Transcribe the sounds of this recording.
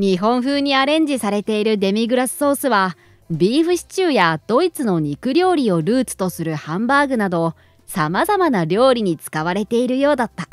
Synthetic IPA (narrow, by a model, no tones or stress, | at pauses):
ɲ̟iɦõ̞ɰ̃ɸɯ̟ːɲ̟iaɾẽ̞ɲ̟d͡ʑisaɾe̞t̪e̞iɾɯ̟d̪e̞mʲiɡɯ̟ɾasɨ̥ːo̞ːsɨβa | bʲiːɸɯ̟ɕi̥t͡ɕɨːjad̪̥o̞it͡sɨno̞ɲ̟ikɯ̟ɾʲo̞ːɾʲio̞ɾɯ̟ːt͡sɨ̥t̪o̞sɨɾɯ̟hãmbaːɡɯ̟nad̪o̞ | samazamanaɾʲo̞ːɾʲiɲ̟it͡sɨ̥kaβ̞aɾe̞t̪e̞iɾɯ̟jo̞ːd̪at̪ːa